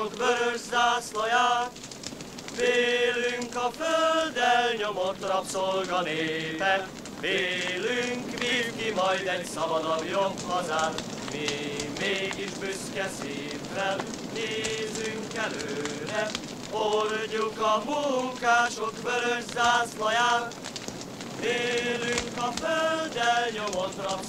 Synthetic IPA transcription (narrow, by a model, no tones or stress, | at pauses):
okbøɾøzzaːslɒjaːt̪ | veːlyŋkɒføld̪ɛlɲo̞mo̞t̪rɒpsolɡɒneːpɛt̪ | veːlyŋkvikimɒjd̪ɛɟsɒvɒd̪ɒɡjomhɒzaːn | mimeːɡiʒbyskɛseːtɾɛl | neːzyŋkɛløːɾɛ | orɲukɒmukaːʃokbøɾød͡ʒzaːslɒjaːn | veːlyŋkɒføld̪ɛlɲomot̪rɒp